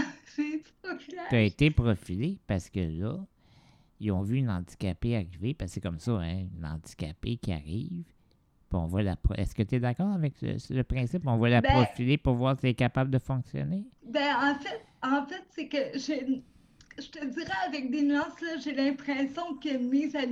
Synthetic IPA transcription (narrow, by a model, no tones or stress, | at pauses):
set | ɔflɛt̪aet̪epʁɔfilepaʁsə̥kəlʌ | ilɔ̃vyynɑ̃d̪d͡zi̥kʲapeaʁivepasekɔmsʌɛ̃ynɑ̰̃dd͡z̪i̥kʲa̰pekʲia̰ʁiːv | piɔ̰̃vwalapʁɔ̰ʔɛ̰skət̪yɛd̪akɑːʁavɛklə̰sləpʁɛ̃sɪpɔ̃vwalabʁɔfilepuʁvwaːʁsiɛkapabləd̪əfɔ̃ksjɔ̰nebɛ̃ɑ̃fɛt̪ɑ̃fɛt̪sɛkəʒe | ʒ̥ət̪əd͡z̪iʁɛavɛk̚d̪enyɑ̃ːslaʒelɛ̃pχɛsjɔ̃kʲəmiːza